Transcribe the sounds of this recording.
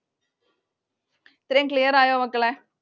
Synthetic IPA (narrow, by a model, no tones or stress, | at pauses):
t̪ɾeŋklijɐɾaːjoːʋɐkːɐɭe